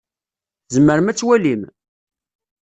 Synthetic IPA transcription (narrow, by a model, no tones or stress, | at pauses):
zəmːəɾəmæt͡sːwælim